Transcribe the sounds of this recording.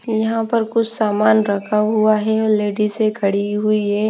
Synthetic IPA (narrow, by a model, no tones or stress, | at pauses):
jɐɦãpɐɾkʊt͡ʃʰsaːmaːnɾɐkʰaɦʊaɦɛɔleːɖisekʰɐɽiɦʊiɦɛː